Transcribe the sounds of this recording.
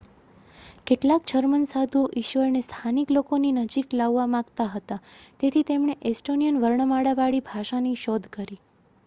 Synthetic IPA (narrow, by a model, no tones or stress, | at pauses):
keʈlak̚d͡ʒəɾmənsad̪ʱuoʔiʃʋəɾnest̪ʰaniklokoninəd͡ʒiklaʋːamãkt̪aɦət̪at̪et̪ʰit̪emɳ̃eʔesʈonijənʋəɾɳəmaɽaʋaɽibʱaʃaniʃɔd̪ʱkəɾi